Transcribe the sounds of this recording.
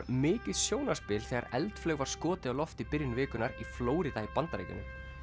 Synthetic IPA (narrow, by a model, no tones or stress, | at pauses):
mɪːcɪðsjoːwnḁspɪːlθɛɣa̰ɾɛ̰lt̪flœːɣvaɾ̥skɔːt̪ɪawlɔft̪ipɪɾjnvɪːkʏnaɾifloːwɾɪðaipant̪aɾḛjcɪ̰nːɪ̰m